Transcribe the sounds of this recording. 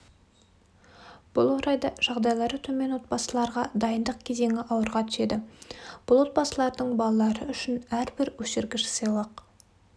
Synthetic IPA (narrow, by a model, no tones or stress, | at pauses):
b̥ʊlˠwo̞ɾɑjd̪ɑʒ̥ɑʁd̪ɑjlˠɑɾət̪ʰɵme̞nwo̞t̪̚bɑsəlˠɑɾʁɑd̪ɑjənd̪əq̚kʲʰe̞ze̞ŋʲɪʔɑwəɾʁɑt̪ʰʏ̥ʃe̞d̪ɪb̥ʊlˠwot̪̚bɑsəlˠɑɾd̪əɴbɑlˠɑlˠɑɾəʏʃɪnæɾbɪɾwɵʃɪɾɡʲɪʃɪ̥sɑjlˠɑq